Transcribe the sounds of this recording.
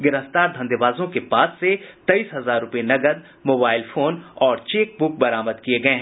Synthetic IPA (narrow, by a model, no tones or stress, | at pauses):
ɡɪɾəft̪aːɾd̪ʱɐ̃nd̪eʋaːzõkepaːsːet̪ɐiːsɦɐzaːɾːʊpenɐɡəd̪ | moːbaːɪlfʰoːnɔːɾt͡ʃeːk̚bʊk̚bɐɾaːməd̪kieɡɐeɦɛ̃ː